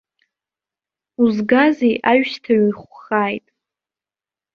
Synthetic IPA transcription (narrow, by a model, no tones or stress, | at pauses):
uzɡazejʔaɥʃtʰaɥiχʷχaːjtʼ